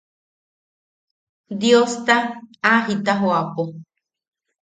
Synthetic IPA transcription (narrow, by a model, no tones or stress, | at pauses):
d̪jost̪aaɦit̪aɦoapo